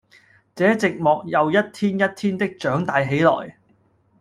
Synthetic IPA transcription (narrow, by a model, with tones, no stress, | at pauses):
t͡sɛː˨˥t͡sɪ˨k̚mɔː˨k̚jɐ˨wjɐ˥t̚t̪ʰiː˥njɐ˥t̚t̪ʰiː˥nt̪ɪ˥k̚t͡ʃœː˨˥ŋt̪aː˨˧jɦe˨˥jlɔ̰ː˨˩j